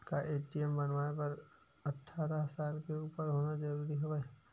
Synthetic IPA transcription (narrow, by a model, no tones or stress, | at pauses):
kaʔeːʈiɛmbɐnʋaːepɐɾ | ɐʈʰːaːɾaɦsaːlpeuːpəɾɦoːnad͡ʒɐɾuːɾiɦoʋɛ